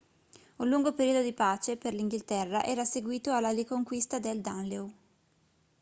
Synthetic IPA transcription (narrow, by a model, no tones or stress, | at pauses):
ulːuŋɡopeɾiod̪od̪ipaːt͡ʃeperliŋɡilt̪ɛrːaʔɛːɾaseɡwiːt̪oalːalikoŋkwist̪ad̪eld̪anleu